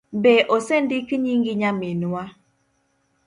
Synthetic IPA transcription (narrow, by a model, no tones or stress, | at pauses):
beʔosendɪkɲiŋɡɪɲamɪnwa